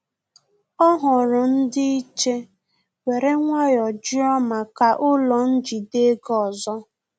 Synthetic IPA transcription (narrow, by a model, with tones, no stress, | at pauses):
ɔ˦ɦʊ˨ɾʊ˨n̩˦dɪ˦i˦t͡ʃe˦ | we˨ɾe˦ŋʷa˦jɔ˨d͡ʒi˦ɔ˦ma˨ka˨ʔʊ˦lɔ˨n̩˦d͡ʒi˨de˦ɡɔ˨zɔ˦